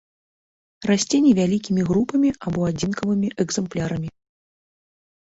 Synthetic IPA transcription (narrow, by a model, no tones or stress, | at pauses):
rasʲt͡sʲenʲivʲalʲikʲimʲiɣɾupɐmʲiabɔad͡zʲinkɐvɨmʲiʔɛɡzɛmplʲaɾɐmʲi